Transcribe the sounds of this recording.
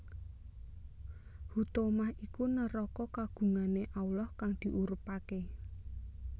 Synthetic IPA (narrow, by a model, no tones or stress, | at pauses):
hut̪omahikunəɾɔkɔkaɡ̥ṳŋaneʔaulɔhkaŋd̪̥i̤ʔuɾupake